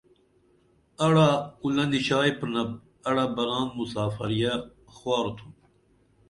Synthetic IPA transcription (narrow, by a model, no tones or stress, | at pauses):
ɐɽaulɐnd̪iɕaːjpɾnɐp̚ | ɐɽabɐɾaːmːusaːfɐ̰ɾija | xwaːɾt̪ʰum